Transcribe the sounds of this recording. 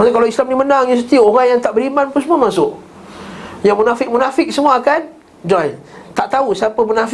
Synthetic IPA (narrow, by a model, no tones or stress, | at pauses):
askalawislamnimənaŋjas̬ət̪ioɾaŋjaŋt̪aʔbəɾimanpunsəmuamasʊʔ | jaŋmunafɪk̚munafɪk̚səmuaːkan | d͡ʒɔj | t̪aʔt̪ausiapəmunaf